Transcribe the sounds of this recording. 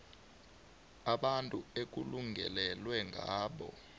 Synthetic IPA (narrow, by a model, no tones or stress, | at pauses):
aɓantʼuek̬uluŋɡʱɛ̰lɛlwɛŋɡʱaːɓɔ̰